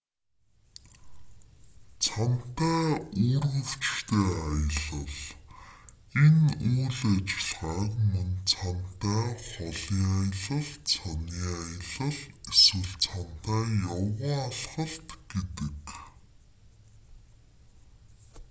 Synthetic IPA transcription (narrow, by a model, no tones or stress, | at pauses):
t͡sʰan̥t̪æːuːrɣɵ̆w̥t͡ɕt̪eːajə̆ɮə̆ɮ | enuːɮat͡ɕɪ̆ɮʁaːkmɵnt͡sʰan̥t̪æːχɔɮiːajə̆ɮə̆ɮt͡sʰaniːajə̆ɮə̆ɮeswɘ̆ɮt͡sʰan̥t̪æːjawaːɮχə̆ɮt̪ɡ̥et̪ɘ̆k